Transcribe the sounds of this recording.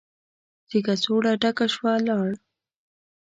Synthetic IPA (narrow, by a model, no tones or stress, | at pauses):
sikasoɽaɖakaʃwalɑɽ